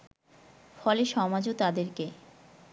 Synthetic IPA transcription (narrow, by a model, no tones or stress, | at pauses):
fɔleʃɔmad͡ʑot̪ad̪eɾke